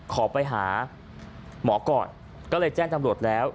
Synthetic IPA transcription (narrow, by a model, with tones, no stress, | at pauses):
kʰɔː˩˦pa˧jɦa̰ː˩˦ | mɔː˩˦kɔ̰ː˨˩n | kɔː˥˩lɤː˧jt͡ɕɛː˥˩ŋt̪a˧mɾu˨˩ət̪̚lɛː˦˥w